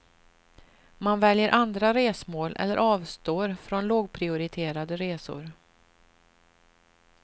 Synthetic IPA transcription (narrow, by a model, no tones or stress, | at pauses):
manvɛljəɾʔand̪ɾaɾeːsmoːlʔɛ̰lːəɾʔɑːvst̪oːɾfɾɔnloːɡpʰɾɪʊɾɪt̪ʰeːɾad̪əɾeːsʊ̰ɾ